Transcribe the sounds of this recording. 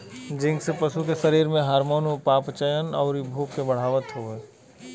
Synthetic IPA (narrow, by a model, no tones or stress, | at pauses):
d͡ʒɪ̃ŋɡsepɐʃukesɐɾiːɾmẽɦaːɾmoːnupaːpt͡ʃəjənɔːɾibʱoːɡkebɐɽ̤aːʋət̪ɦoːeː